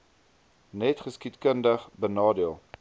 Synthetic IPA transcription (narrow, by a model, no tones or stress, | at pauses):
nɛtχəskitkəndəχbənɑːdiəlˠ